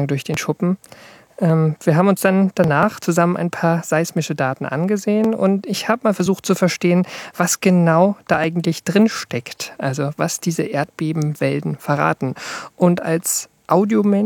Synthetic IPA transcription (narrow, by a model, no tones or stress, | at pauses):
ŋdʊɐçd̥eːnʃʊpm̩ | ʔɛːmviːɐɦaːbm̩ʊnsd̥and̥anaːχt͡suzamənʔa̰ɪnpʰaːɐz̥aɪsmɪʃədaːtn̩ʔa̰nɡəzeːənʊ̰ntɪçhaːbəmaːlfɛɐzuːxtt͡sufɛɐʃteːənv̥asɡ̥ənaʊd̥aːʔaɪɡŋ̩tlɪçd̥ʁɪnʃtɛktʔalzovasd̥iːzəʔeːɐt̚b̥eːbm̩vɛldn̩fɛɐʁa̰ːtn̩ʔʊnta̰ls | ʔaʊdiomɛ